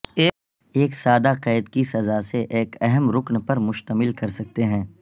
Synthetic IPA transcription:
eː | eːksaːd̪aqɛːd̪kisɐzaseʔeːkɛɦɛmɾʊknpɐɾmʊʃt̪əmɪlkɐɾsɐk̚t̪eɦɛ̃ː

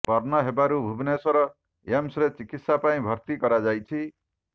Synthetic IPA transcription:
pɔɾnʌɦebaɾubʱubnesɔɾɔ | emsɾet͡ʃikit̪sapaĩbʱʌɾt̪ikʌɾad͡ʒajt͡ʃʰi

